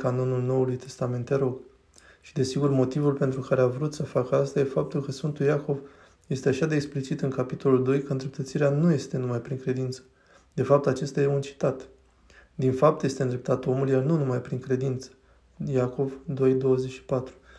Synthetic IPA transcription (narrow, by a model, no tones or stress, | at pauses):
kano̞nulno̞ulujt̪ʰe̞̥st̪ame̞nt̪eɾo̞ɡ | ʃi̥d̪e̞siɡurmo̞t̪ivulpe̞nt̪ɾukaɾe̞avɾut̪səfakəast̪aje̞fap̚t̪ulkəsfɨnt̪uljako̞v | je̞st̪e̞aʃad̪eːksplit͡ʃit̪ɨŋkapit̪o̞luld̪o̞jkəɨnd̪ɾe̞p̚t̪ət̪siɾeanuje̞st̪e̞numajpɾiŋkɾe̞d̪int̪sə̥ | d̪̥e̞fap̚t̪at͡ʃe̞st̪ajeunt͡ʃi̥t̪at̪ | d̪infap̚t̪je̞st̪e̞ɨnd̪ɾep̚t̪at̪o̞muljarnunumajpɾiŋkɾe̞d̪int̪sə̥ | jako̞vd̪o̞jd̪o̞wəze̞t͡ʃʃi̥pat̪ɾu̥